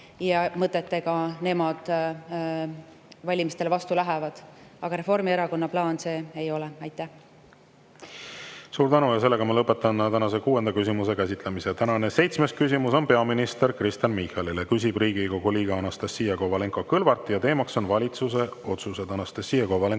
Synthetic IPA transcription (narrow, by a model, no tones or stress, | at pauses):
jɑmɤt̪ːˑet̪ːe̞ɡ̥ɑne̞mɑd̪̥ | vɑlʲimist̪e̞levɑst̪ulæɦɛvɑd̪̥ɑɡ̥ɑɾe̞fo̞rmieɾɑko̞nːɑplɑːnse̞ːejo̞lɛɑjt̪ːˑæ | suːɾt̪ænujɑse̞lːe̞ɡ̥ɑmɑlɤpːˑe̞t̪ːˑɑnt̪ænɑsekuːe̞nd̪̥ɑkysʲimuse̞kæsit̪ˑlemiset̪ænɑne̞se̞jt̪smeskys̬ʲimuso̞npe̞ɑminist̪erkrist̪jɑnmihɑlilekys̬ʲib̥riːɡiko̞ɡ̥uliːɡ̥ɑɑnɑst̪ɑsːiːjɑkovɑle̞ŋkokɤlvɑrt̪ːˑjɑt̪e̞ːmɑkso̞nvɑlʲit̪suse̞o̞t̪suse̞d̪ɑnɑst̪ɑsːiːjɑkovɑleŋ